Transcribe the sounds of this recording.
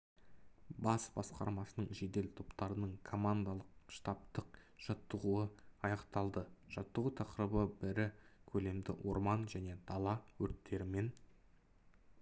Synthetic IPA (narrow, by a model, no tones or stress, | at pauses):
bɑsbɑ̰sqɑ̰ɾmɑsənəɴʒe̞d̪e̞lt̪ʰo̞pt̪ɑɾənəɴkʰo̞mand̪alˠəq̚ʃt̪ɑp̚t̪əq̚ʒ̥ɑt̪ːəʁuəɑjɑqt̪ɑlˠd̪əʒ̥ɑt̪ːəʁut̪ʰɑqəɾəbəbɪɾɪkʲʰɵle̞md̪ɪwo̞ɾmɑnʒæne̞d̪̥ɑlˠɑwɵɾt̪ʰːe̞ɾɪme̞n